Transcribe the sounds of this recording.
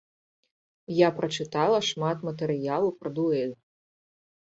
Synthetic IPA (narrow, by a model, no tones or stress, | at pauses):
japɾɐt͡ʂɨt̪alˠɐʂmat̪mɐt̪ɛɾɨjalˠɐwpɾɐd̪uɛlʲ